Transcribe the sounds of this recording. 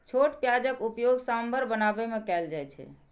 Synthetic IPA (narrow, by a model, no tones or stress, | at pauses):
t͡ʃʰoʈpjad͡ʒəkupjoɡsambʱəɾbənabemekɛld͡ʒajt͡ʃʰɛ̰